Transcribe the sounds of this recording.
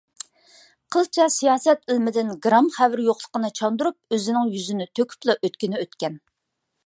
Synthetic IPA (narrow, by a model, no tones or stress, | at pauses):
qʰəlˠt͡ʃʰɛsijɑːsɛt̪ɪlmɪd̪ɪnɡɾɑmχævɪɾjoqlˠə̥qənɨt͡ʃʰɑnd̪uɾup̚øzɪnɪŋjyzɪnɪt̪ʰøkʲʰy̥plˠɑʔøt̪kʲɪnɪøt̪kʲɛn